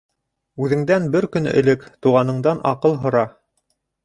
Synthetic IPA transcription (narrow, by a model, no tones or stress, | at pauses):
ʉðɘ̆ŋd̪ænbɘɾkɵ̆nɘ̰̆lɘkt̪uʁɑnɤ̆ɴd̪ɑnɑ̰qɤlˠɦŏɾɑ